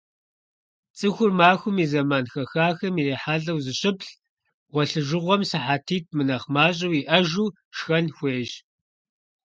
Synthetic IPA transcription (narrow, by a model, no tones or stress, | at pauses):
t͡sʼɨxʷʊrmaːxʷʊmiːzɐmaːnxɐxaːxɐmiːreːħaːɬʼɐwzɨɕɪpɬ | ʁʷɔɬɨʒɨʁʷɔmsɨħaːtʰiːt̚ʰmɨnɐχmaːɕ̬ʼɐwiːʔɐʒuː | ʃxɐnxʷeːʒ